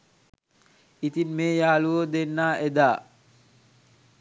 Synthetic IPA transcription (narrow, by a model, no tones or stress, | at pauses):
it̪inmeːjaːluod̪enːaːed̪aː